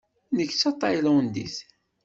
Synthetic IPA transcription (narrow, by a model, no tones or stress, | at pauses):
nəçt͡sːɑt̪ˤːɑjləwənd̪ḭθ